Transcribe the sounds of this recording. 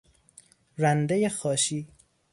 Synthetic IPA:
ɾænd̪ejexɒːʃiː

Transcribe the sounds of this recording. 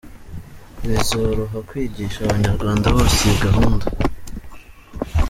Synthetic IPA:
βizoɾoɦakwiːɟiːʃaβaɲaɾɡwaːndaβoːseɡaɦunda

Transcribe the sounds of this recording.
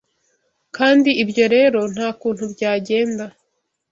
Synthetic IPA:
kaːndiibɟo̞ɾe̞ːɾo̞n̥haːkuːnhubɟaːɟe̞ːnda

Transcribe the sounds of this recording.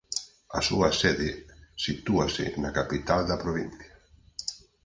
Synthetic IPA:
asuasɛðesit̪uasɪ̰nakapit̪ald̪ɐpɾoβin̟θja

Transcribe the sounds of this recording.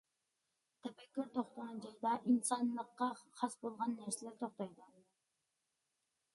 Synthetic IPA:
t̪ʰɛpɛkʲːyɾt̪ʰoχt̪ɑʁɑnd͡ʒɑjd̪ɑʔinsɑnlˠəqːɑχɑsbolˠʁɑnːæɾsɪlɪɾt̪ʰoχt̪ɑjd̪u

